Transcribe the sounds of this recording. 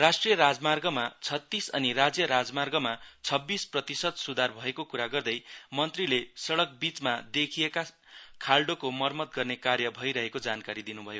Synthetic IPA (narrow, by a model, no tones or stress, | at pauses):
rasʈrijʌɾad͡zmarɡʌmat͡sʰʌt̪ːisʌ̰nirad͡zjʌɾad͡zmarɡʌmat͡sʰʌbːisprʌt̪isʌd̪sud̪ʱarbʱʌekokuɾaɡʌrd̪ʌjmʌnt̪rilesʌɽʌk̚bit͡smad̪ekʰieka | kʰalɖokomʌrmʌt̪̚ɡʌrnekarjʌbʱʌjɾʌɦekod͡zankaɾid̪inubʱʌjo